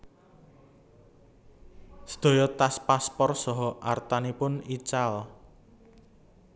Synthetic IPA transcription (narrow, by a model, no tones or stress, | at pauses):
sə̥d̪̥a̤jɔt̪aspaspɔrsɔɦɔʔart̪anipʊnit͡ʃal